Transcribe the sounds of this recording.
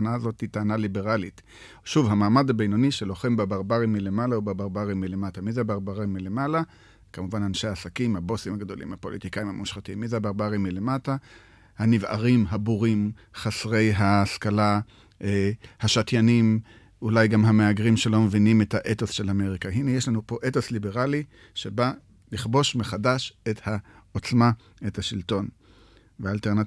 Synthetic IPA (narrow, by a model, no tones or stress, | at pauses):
naazo̞thitaːnalibe̞ʁalit | ʃuvhamaːmadabejnoniʃelo̞χembabaʁbaʁimːilemalaubabaʁbaʁimːilematamizebaʁbaʁimːilemala | kamuvananʃejaːsakimhabo̞simhaɡd̪o̞lḭmhapo̞lḭtikaimhamuʃχatimːizeabaʁbaʁimːile̞mata | haniva̰ʁimɦabuʁim | χasʁe̞jɦaskala | ehaʃatjanim | ulajɡamɦameaɡʁimʃe̞lo̞mevinime̞thaʔetosʃe̞lame̞ʁikaɦinejeʃlanupo̞ʔetoslibeʁali | ʃe̞ba | liχbo̞ʃmeχadaʃet̪haot͡sma | e̞thaʃilto̞n | veaːlteʁna